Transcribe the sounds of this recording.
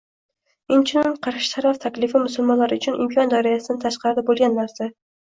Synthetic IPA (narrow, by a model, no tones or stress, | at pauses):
ɪnt͡ʃʰɪnɪŋqʰɑɾʃɪ̥t̪ʰaɾaft̪ʰakʲlɪfɪmʊsʊlˠmɒnlaɾɪʊt͡ʃʰʊnʔɪ̰mkʰɒnd̪ɒɾɪjasɪd̪ɪt̪ʰaʃqɑɾd̪ɪbolˠɡʲanːaɾsa